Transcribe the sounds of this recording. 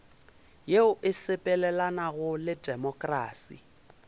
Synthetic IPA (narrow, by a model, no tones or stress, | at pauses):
jeʊʔɪsɪpʼɛlɛlanaɣʊlɪdʼɛmɔkʼraːsḭ